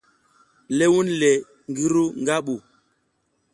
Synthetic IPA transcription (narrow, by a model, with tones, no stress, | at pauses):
le˦wu˦nlɛ˨ | ŋɡi˦ɾu˦ŋ˦ɡa˦ɓu˨